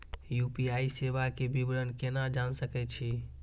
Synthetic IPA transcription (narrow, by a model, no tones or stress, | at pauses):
jupiaisebakebibɾənkenad͡ʒansəkɛt͡ʃʰi